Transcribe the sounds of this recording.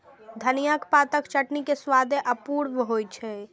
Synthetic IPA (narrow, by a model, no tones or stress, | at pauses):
d̪ʱənijakpaːt̪əkt͡ʃəʈnikeswad̪ʱeʔəpuːɾʋɦojt͡ʃʰɛ